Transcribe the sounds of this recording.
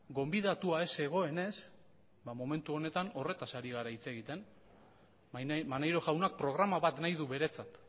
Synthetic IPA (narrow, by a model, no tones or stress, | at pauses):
ɡo̞mbiðat̪uae̞se̞ɣ̞o̞e̞ne̞s | bamo̞me̞nt̪uo̞ne̞t̪ano̞re̞t̪asaɾiɣ̞aɾait͡se̞ɣit̪e̞n | manajɾo̞ɣawnak̚pɾo̞ɣ̞ɾamaβat̪najð̞uβe̞ɾe̞t͡sat̪